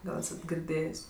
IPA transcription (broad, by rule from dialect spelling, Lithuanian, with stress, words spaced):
ˈɡɐlˠ ˈæːsɐt ɡʲɪrʲˈdʲeːjeːsʲ